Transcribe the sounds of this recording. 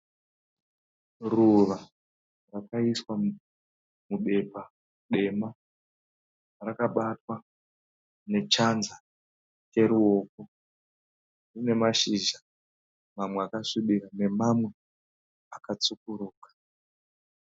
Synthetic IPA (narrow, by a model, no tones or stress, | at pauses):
ruʋa | rakaiswa | muɓe̞pa | ɗe̞ma | rakaɓatwa | ne̞t͡ʃanza | t͡ʃe̞ɾuo̞ːk̚o | rine̞maʃiʒa | mamweakaʂiɓiɾane̞mamwe̞ | akat͡sukuɾuːkḁ